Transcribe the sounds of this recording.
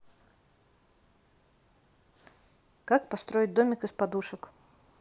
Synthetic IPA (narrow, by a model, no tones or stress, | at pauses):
kak̚pɐst̪ɾo̞ɪt̚ʲd̪o̞mʲɪkɨspɐd̪uʂək